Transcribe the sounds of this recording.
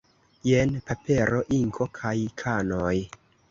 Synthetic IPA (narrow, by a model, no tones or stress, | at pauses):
jenpape̞ɾo̞ʔiŋkʰo̞kʰajkʰanoj